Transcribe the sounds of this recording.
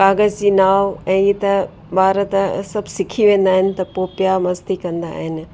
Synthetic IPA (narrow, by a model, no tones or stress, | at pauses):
kaːɡəzd͡ʑiːnaːʋɛ̃ːit̪ɐ | baːɾət̪sɐbʱsɪkʰiʋẽːn̆d̪aːɦɪnɪ̆t̪ɐpoːpjamɐzd̪ikɐ̃nd̪a̰ːɦɪnɪ̆